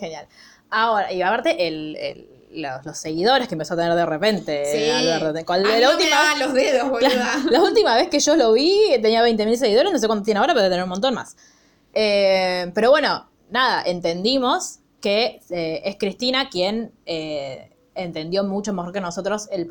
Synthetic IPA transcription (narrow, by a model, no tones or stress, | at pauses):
xenjal | ao̞ɾaiapaɾt̪e̞ʔelḛlː | olose̞ɣiðo̞ɾeskempesoat̪eneɾðerepe̞nt̪eaɛɾt̪ot̪ekalault̪imalozðeðolaalault̪imaβe̞skeʒo̞lo̞βit̪eniaβe̞jnt̪e̞mils̬e̞ɣiðoɾenosekwanot̪jenaoɾapt̪eneɾumont̪onma̰s | epeɾo̞βweno̞ | naðaʔe̞nt̪end̪imo̞s | keeeskɾist̪inakjene | ent̪e̞nd̪jo̞mut͡ʃomexo̞ɾkeno̞sot̪ɾo̞sel